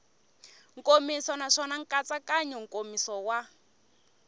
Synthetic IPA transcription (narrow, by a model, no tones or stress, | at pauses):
ŋ̩kʼomisɔnaʂɔnaŋ̩kʼat͡sakaɲɛŋ̩kʼomisɔwa